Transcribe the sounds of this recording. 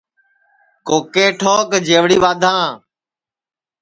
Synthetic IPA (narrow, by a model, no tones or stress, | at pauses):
koːkeːʈʰoːkd͡ʒeːʋɽiːʋaːd̪ʱãː